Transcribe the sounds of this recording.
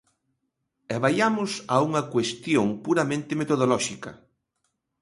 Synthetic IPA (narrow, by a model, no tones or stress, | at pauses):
ɛβajamʊsauŋɐkwest̪joŋpuɾɐmẽnt̪ɪmet̪oðolɔʃikɐ